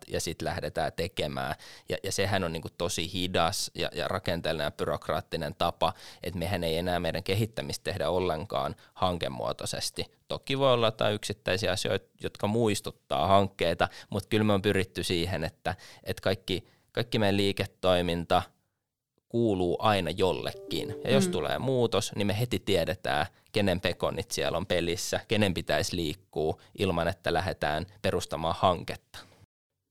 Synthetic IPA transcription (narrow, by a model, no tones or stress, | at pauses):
jɑ̰sit̪læhdet̪æ̰ːt̪ekemæ̰ːjɑ̰jɑsehænonniːŋkutt̪osihidɑsjɑ̰jɑ̰rɑkent̪elːnɑjɑb̥yrokrɑ̰ːt̪ːinent̪ɑpɑʔḛt̪mehæneienæːmeiɾæŋkeɦit̪ːæmist̪t̪ehdæolːeŋkɑ̰ːnhɑŋkḛmːṵo̰t̪osḛst̪it̪okːˑiʋoiolːɑt̪ːɑ̰ːyksit̪ːæisiɑsio̰it̪jot̪kɑmuist̪ut̪ːɑ̰ːhɑŋkːeit̪ɑmut̪kylmeompyrit̪ːysiːhenet̪ːæet̪kɑikːi | kɑikːimeiliːket̪ːoimint̪ɑ | kuːluːʔɑinɑjolːḛkːḭnjɑ̰jost̪ulḛːmuːt̪osnimeɦet̪it̪iɛɾet̪æ̰ː | kenempeko̰nit̪siɛ̰lompelisːækenempit̪æisliːkːuː | ʔilmɑnet̪ːælæhet̪æ̰ːnperust̪ɑmɑːhɑŋket̪ːɑ̥